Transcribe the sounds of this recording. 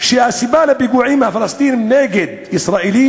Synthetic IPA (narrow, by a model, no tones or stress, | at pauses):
ʃiʔasibaːlabiɡuːʕiːmafɪlɑst̪ˤiːnmneːɡɪd̪̚ʔɪsɾˤɑːʔili